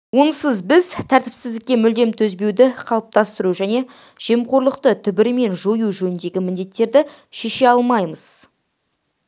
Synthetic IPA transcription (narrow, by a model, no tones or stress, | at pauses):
wonəsəzbɪzt̪ʰæɾt̪ɪpsɪzd̪ɪkʲːe̞mʏld̪e̞mt̪ʰɵzbe̞wd̪ɪqʰɑlˠəp̚t̪ɑst̪əɾuʒæne̞ | ʒ̥e̞mqo̞ɾlˠəqt̪ət̪ʰʏbɪɾɪme̞nʒojuʒɵnɪnd̪e̞ɡʲɪmɪnd̪e̞t̪ːe̞ɾd̪ɪ | ʃe̞ʃe̞ɑlˠmɑjməz̥